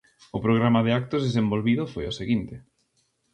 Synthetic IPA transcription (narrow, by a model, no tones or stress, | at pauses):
ʊpɾoɣɾamaðeak̚t̪ʊzðesembolβiðʊfojʊseɣint̪ɪ